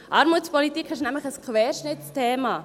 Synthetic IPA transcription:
ʔɑɾmuːt͡spɔlit̪ikʰɪʃnɛmləxəskʰvɛːɾʃnɪt͡stʰeːma

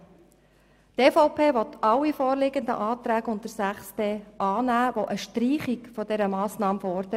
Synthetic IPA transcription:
tefɔʊpʰeːʋɔt̪ʰɑwifɔːɾlɪɡənd̪ə̰ʔɑːt̪ɾæːɡʊnt̚əɾsæχsd̥eːʔɑːnæːʋoʔəʃtɾiːχikfɔd̥ɛɾəmɑːsnɑːmfɔɾd̥̪ə

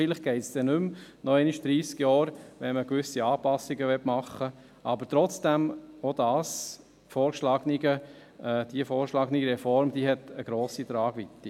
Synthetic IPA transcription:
iləχɡ̥ɛɪtsd̥ɛnʉmnɔɛnɪʃd̥̪ɾiːskjɔːɾʋɛnməkʋʏsiɑːpɑsːiɡəʋɛtmɑχːə | ʔɑbəɾt̪ɾɔt͡sd̥ɛmod̥̪ɑːs | fɔːɾʃlɑːɡniɡə | ɛːd̪̥iəfɔːɾʃlɑːɡniɡɾɛfɔɾmd̥̪iɦɛt̪əɡ̥ɾoːsitɾɑːɡʋit̪ːi

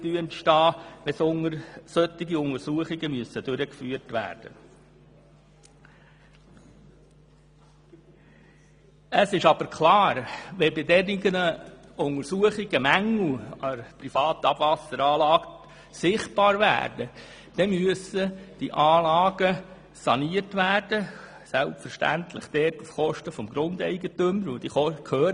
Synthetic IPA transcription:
t̪yəntʃtɑːʋɛsʊŋəɾsœt̪ːiɡiʊŋəɾsuəχɪɡəmyəsːəd̥øɾəkfyːəɾtʋæ̰ːɾd̥ə | əsɪʃɑb̥əɾkʰlɑːɾʋɛbɪdɛriɡənəʊŋəɾsuəχɪɡ̥əmæŋl̩ɑɾprifɑːtəɑb̥vɑsəɾɑːlɑːɡ | sɪχt̚b̥ɑːɾvæ̰ːɾdə | d̥ɛmyəsəd̥iʔɑːlɑːɡ̥ə | sɑniəɾtʋæːrd̥ə | sælpfəɾʃtæ̰ntʰlɪ̰χd̥ɛːtufχɔʃtəfɔmɡɾʊndɛ̰ɪɡətʏməɾʋod̥̪iɔkʰøːɾ

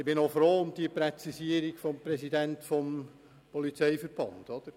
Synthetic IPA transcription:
ɪb̥ɪnofɾoːʊmd̥iəpɾɛt͡sisiəɾiɡfɔmpɾɛsidæntfɔm | pɔlit͡seɪfəɾb̥ɑ̰nd̥̪ɔd̥̪əɾ

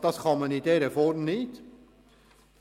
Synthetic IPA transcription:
d̪̥ɑsχɑmɑnidɛɾəfɔɾmnɪt̪

